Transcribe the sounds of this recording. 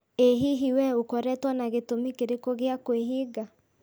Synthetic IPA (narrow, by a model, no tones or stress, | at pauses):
eɦiɦiwɛukɔɾɛtwanaɣetomikeɾekoɣeakweɦiɡa